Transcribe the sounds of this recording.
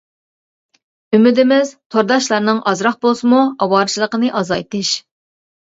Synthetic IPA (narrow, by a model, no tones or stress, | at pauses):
ymɪd̪ɪmɪzt̪ʰoɾd̪ɑʃlˠɑɾnɨŋʔɑzɾɑχ̚bolˠsɨmuɑwɑːɾɨt͡ʃʰilˠəqənɨʔɑzɑjt̪ʰɨʃ